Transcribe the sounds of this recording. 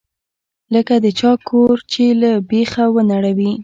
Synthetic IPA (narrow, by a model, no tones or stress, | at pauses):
ləkad̪ət͡ʃɑkʰoɾt͡ʃelabexawənaɽawi